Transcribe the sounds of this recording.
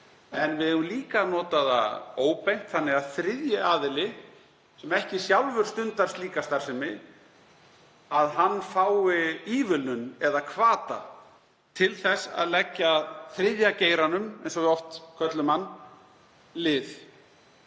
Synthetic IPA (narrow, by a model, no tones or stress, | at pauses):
ɛnvɪðɛvʏmliːkanɔːt̪aða̰oːwpejm̥t̪θanːɪaðθɾɪðjɪʔaːðɪlɪ | sɛmɛhcɪsjawlvʏɾ̥st̪ʏnt̪arst̪liːkast̪aɾ̥sɛmːɪ | aðɦanːfaːwɪiːvʏlnʏnɛðakʰvaːt̪a̰ | t̪ʰɪlθɛsːa̰ðlɛcːaðθɾɪðjaceːjɾanʏmɛjnsɔɣɪɔft̪kʰœt̪lʏmanː | lɪð